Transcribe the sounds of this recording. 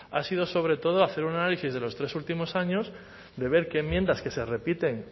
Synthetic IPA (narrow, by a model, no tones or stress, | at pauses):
a̰sið̞o̞so̞β̞ɾe̞t̪oð̞oaθe̞ɾunanalisizð̞e̞lo̞st̪ɾe̞sult̪imo̞saɲo̞z | d̪e̞β̞e̞ɾke̞ːmje̞nd̪aske̞se̞re̞pit̪e̞ŋ